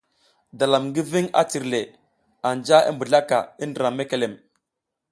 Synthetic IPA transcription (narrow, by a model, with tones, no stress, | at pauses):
da˨la˨mŋɡi˦vi˦ŋa̰˦ti˨ɾle˨ | a˨nd͡ʒa˦ḭ˦mbu˨ɮa˦ka̰˨i˦ndə˨ɾa˨mːe˦ke˨le˨m